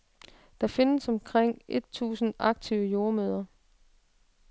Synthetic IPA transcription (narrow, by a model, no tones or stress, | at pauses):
d̥ɑ̈fe̝nəsɒ̽mkʰʁeŋ̰ʔe̝d̥̚t͡sʰṵːsn̩ɑ̈ɡ̥̚t͡sʰiʊəjo̝ːɐmøːðˠɐ